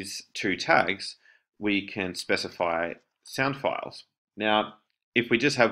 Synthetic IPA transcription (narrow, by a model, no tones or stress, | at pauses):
z̥tʰʉtʰæ̰ɡz̥ | wikʰɨ̃nspɛsəfaɪ | sãʊ̃nd̥fa̰ɪlˠz̥ | naʊ | ɨfwid͡ʒʌst̚hɨv